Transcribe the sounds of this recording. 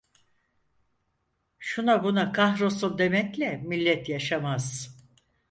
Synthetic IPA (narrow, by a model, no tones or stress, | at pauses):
ʃunabunakʰahɾosund̪e̞mɛclʲɛmilʲːɛt̪jaʃamaz̥